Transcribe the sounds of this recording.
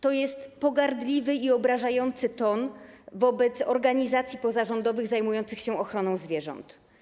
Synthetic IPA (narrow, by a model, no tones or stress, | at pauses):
t̪ɔjɛst̪pɔɡaɾd̪lʲivɘiɔbɾaʐajɔnt̪sɘt̪ɔnvɔbɛt̪sɔ̰ɾɡaɲizat̪sʲjipɔzaʐɔnd̪ɔvɘɣzajmujɔnt̪sɘxɕɛɔxɾɔnɔ̃w̃zvʲjɛʐɔ̰nt̪